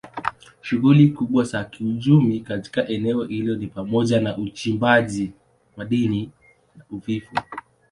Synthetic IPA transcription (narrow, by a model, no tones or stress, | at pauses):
ʃuɣulikuɓwasakiut͡ʃumikati̥kaʔɛnɛɔhiliɔnipamɔʄanaʔut͡ʃimbaʄi | maɗini | nauvifu